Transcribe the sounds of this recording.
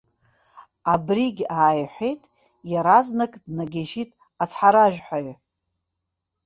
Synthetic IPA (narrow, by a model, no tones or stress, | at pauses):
abriɡʲaːjħʷejtʼ | jaɾaznakʼdnaɡʲaʒitʼ | at͡sʰħaɾaʒᶣħʷajɥ